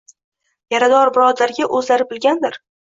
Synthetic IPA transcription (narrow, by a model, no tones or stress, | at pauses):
jaɾad̪ɒɾbɪɾɒd̪aɾɡʲaʔɵzlaɾɪbɪlɡʲand̪ɪɾ